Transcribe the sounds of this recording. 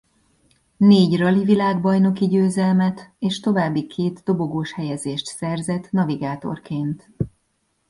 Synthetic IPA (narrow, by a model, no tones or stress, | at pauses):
neːɟrɒlivilaːɡbɒjno̞kiɟøːzɛlmɛt̪eːʃt̪o̞vaːbːikʰeːt̪d̪o̞bo̞ɡoːʃhɛjɛzeːʃt̪sɛrzɛt̪ːnɒviɡaːt̪o̞̰rkeːnt̪